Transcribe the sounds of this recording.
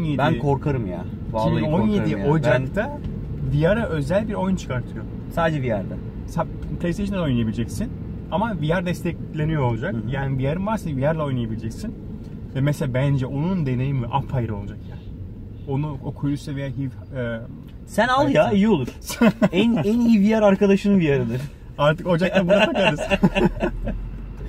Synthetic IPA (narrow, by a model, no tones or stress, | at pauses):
onjebænkʰo̞ɾkʰaɾɯmja̰ | ivalib̪ˠonjeiojd͡ʒakt̪ʰa | vijaɾaʔø̞zælʲbiɾo̞junt͡ʃʰɯ̥kaɾt̪ʰɯjo̞ | saːd̪d͡ʒɛvijaɾd̪ɛ | sa | pʰlʲeseʃɯno̞jnˠijabilʲd͡ʒɛcsin | amavijaɾd̪ɛst̪ʰɛclʲe̞nijoolˠd͡ʒakjaːnivijaɾɯmvaɾsanvijaɾlˠao̞jnijabilʲd͡ʒɛcsin | vɛmɛselʲabænd͡ʒɛʔo̞nund̪e̞ne̞jimɛʔafajɾɯo̞lˠad͡ʒakjaːn | o̞nuokʰujusɛvijaɦivː | sænalˠjaijio̞lˠuɾ̥ænænijivijaɾaɾkad̪aʃɯnɯvijaɾɯd̪ɯɾ̥ | aɾt̪ʰɯkod͡ʒaklˠabunaaaɾɯz̥